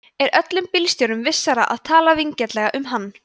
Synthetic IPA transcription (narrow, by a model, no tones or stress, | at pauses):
ɛɾʔœt̪lʏmpilst̪jowɾʏmvɪsːaɾaʔa̰ðt̪ʰaːlaviɲcɛt̪lɛɣaʔʏmɦanː